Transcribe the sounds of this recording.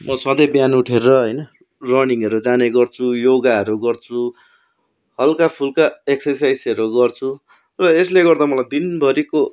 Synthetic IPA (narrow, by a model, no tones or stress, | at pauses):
mʌsʌ̃d̪ʌbjanuʈʰerʌɦʌjnʌ | rʌniŋʌɾud͡zaneɡʌrt͡sʰujoɡaʌɾuɡʌrt͡sʰu | hʌlkapʰulkaeksʌrsajsʌɾuɡʌrt͡sʰu | rʌesleɡʌrd̪amʌlajd̪inbʱʌɾiko